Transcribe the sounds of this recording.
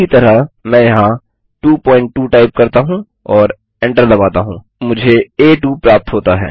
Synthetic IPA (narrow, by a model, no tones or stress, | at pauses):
it̪ɐɾəmɛ̃ːjɐɦã | ʈuːpɔ̃ːɪ̃ɳʈːuːʈaːɪp̚kɐɾt̪aɦũ | ɔːɾ | ɛ̃ɳʈəɾlɐbaːt̪aɦũː | mʊd͡ʒʱeeːʈuːpɾaːp̚t̪ɦoːt̪aɦɛ̰ː